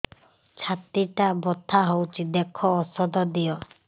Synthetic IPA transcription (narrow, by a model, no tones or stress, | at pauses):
t͡ʃʰat̪iʈabɔt̪ʰaɦowt͡ʃʰid̪ɛkʰɔːsɔd̪ɔd̪ijɔ